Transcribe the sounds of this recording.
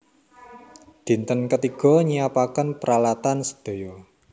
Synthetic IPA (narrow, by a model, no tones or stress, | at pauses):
d̪̥i̤nt̪ənkət̪iɡ̥ɔ̤ɲijapakənpəɾalat̪ansə̥d̪̥o̤jɔ